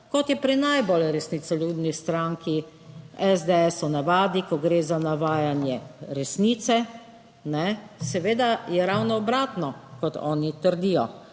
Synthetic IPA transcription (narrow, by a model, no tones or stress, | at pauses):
kɔt̪jɛpɾinajbolɛɾɛsniːt̪sɛljuːd̪nist̪ɾaŋkʰi | ɛzd̪eɛsɔnaʋaːd̪ikɔɡɾeːzanaʋaːjanjɛɾɛsniːt̪sɛ | nɛsɛʋeːd̪ajɛɾawnɔːbɾaːt̪nɔkɔt̪ʰɔ̰ːnit̪əɾd̪iːjɔ